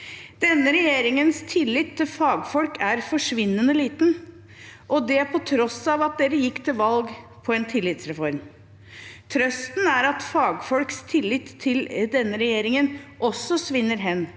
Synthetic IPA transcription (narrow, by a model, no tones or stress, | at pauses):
d̪̥ɛnːəɾɛjeːɾɪŋənst̪ʰɪlːɪt̪ʰːɪlfɑːɡfɔlkʰæɾfɔʂʋɪnːənəliːt̪n | ʔɔd̪ɛæpʰɔt̪ʰɾɔsɑʋɑt̪̚d̪eːɾəjɪkːt̪ʰɪlʋɑlɡpʰɔɛnt̪ʰɪlːɪt̪sɾɛfɔɾm | t̪ʰɾœst̪n̩æɾɑt̪fɑːɡfɔlkst̪ʰɪlːɪt̪ʰːɪld̪ɛnːəɾɛjeːɾɪŋənʔɔsːɔsʋɪnːəɾɦɛnː